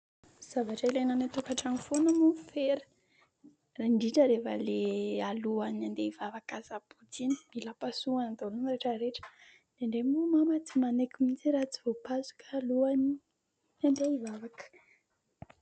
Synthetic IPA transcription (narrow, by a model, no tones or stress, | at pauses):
z̥avaʈ͡ʂailenanat̪ukaʈ͡ʂanifonəmufeɾə̥ | raɳɖ͡ʐiʈ͡ʂəɾefə̰lealuanand̪eivavakazabutini̥milapasuand̪olunreʈ͡ʂəɾeʈ͡ʂə̥ | d̪̥eɳɖ͡ʐemumamat͡simanekuminzeɾat͡si̥vopazu̥kːluani | and̪eivavakə̥